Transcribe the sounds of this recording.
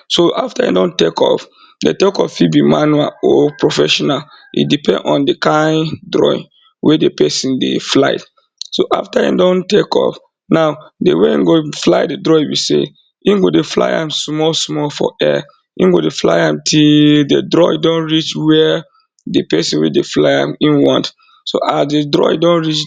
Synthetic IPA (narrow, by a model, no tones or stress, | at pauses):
soʔaftaḭdõntekʰɔ̰f | detekɔffibimanuaɔpɹofɛʃɔnalʔḭdipɛ̃ndɔ̃ndekãɪ̃ndɹɔ̰ḭ | wʔɛdepɛsĩndḛfla̰ɪ | soʔa̰ftaḭ̃dõntekɔ̰f | naʊdeweĩnɡoflaɪdedɹɔiwisḛ | inɡodefla̰ɪjã̰msmɔlsmɔlfɔ̰ɛ | ĩnɡodefla̰ɪãmtʰidedɹɔdõnɹit͡ʃwɛ | depɛsĩwɛ̰deflaɪã̰mĩnwɔ̃nt | soʔasdedɹɔ̰dõnɹit͡ʃ